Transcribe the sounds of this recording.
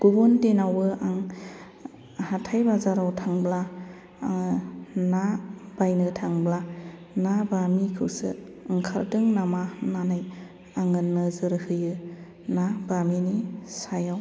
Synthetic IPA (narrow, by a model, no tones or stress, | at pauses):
ɡ̥ubɔntenawɯaŋ | hatʰajbazaɾawtʰaŋbla | nab̥ajnɯtʰaŋbla | nabamikʰɯwsɯ̰ | ŋkʰa̰ɾdɯŋnamananaj | aŋɯnːɯzɯɾhɯjɯ | nabaminisajaw